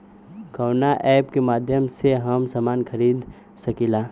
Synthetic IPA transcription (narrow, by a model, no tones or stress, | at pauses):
kəwnaʔɛːpkemaːd̪ʱjəmseɦəmsaːmaːnkʰəɾiːd̪ | səkilaː